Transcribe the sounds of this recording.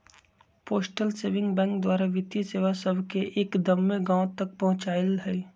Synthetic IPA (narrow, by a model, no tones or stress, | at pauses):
poːsʈəlseːʋɪ̃ŋɡbɛ̃ːŋk̚d̪waːɾaʋɪt̪iseːʋasəbʱkeʔeːkd̪ɐmːẽɡãːʊt̪ɐk̚pɐɦʊ̃t͡ʃaːlɦɛː